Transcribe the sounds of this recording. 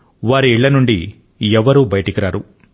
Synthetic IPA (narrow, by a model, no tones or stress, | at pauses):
ʋaːɾiːɭːɐnuɳɖi | ɛʋɐɾuːbɐjɐʈikiɾaːɾu